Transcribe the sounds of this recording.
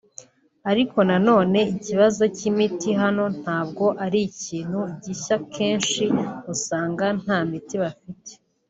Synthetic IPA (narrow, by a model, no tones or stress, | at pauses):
aɾiko̞nano̞ːne̞iciβazo̞cimitiɦano̞n̥haːbɡo̞ʔaɾiciːn̥huɟiçakʰe̞ːnʃiusaːŋɡan̥haːmitiβafite̥